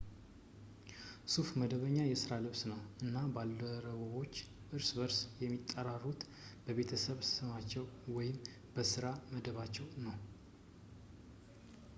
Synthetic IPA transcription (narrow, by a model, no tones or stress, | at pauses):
sufməd̪əβəɲːajɛsɨɾalɨβsnəwʔɨnːabalːəɾəβəβo̞t͡ʃː | ʔɨɾsbəɾsjɛmːit̪ʼːəɾarːut̪ | b̥əβe̞t̪ʰəsəβssɨmat͡ʃːɛwwɔjɪm | bəsɨɾaməd̪əβat͡ʃːɛwnəw